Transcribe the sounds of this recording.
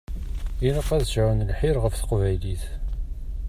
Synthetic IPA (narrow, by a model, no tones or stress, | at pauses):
iləqːæðʃnlħɪɾʁəfθə̥qvæjliθ